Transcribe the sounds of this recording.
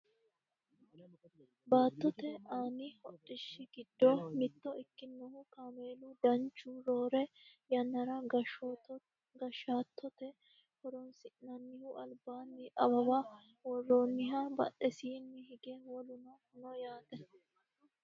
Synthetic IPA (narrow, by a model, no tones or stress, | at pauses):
baːt̪ːɔt̪ɛaːnɪhɔɗːɪʃːɪɡɪd̪ːɔmɪt̪ːɔɪkːɪnːɔhʊkameːlud̪ɐnt͡ʃːuːɾoːɾɛjɐnːɐɾɐɡɐʃt̪ | ɡɐʃaːt̪ːɔt̪ɛ | hɔɾɔnsɪʔnɐnːɪhuʔɐlbaːnːɪʔɐbɐba | wɔroːnːɪɦɐbɐ̰ʔɛsiːnːɪhɪɡɛwɔlʊnɐ | nɔjaːt̪ɛ